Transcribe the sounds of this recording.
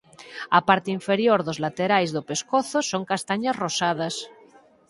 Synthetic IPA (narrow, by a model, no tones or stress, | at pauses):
apaɾt̪eiɱfeɾjoɾðozlat̪eɾajzðopeskoθosoŋkast̪aɲasrosaðas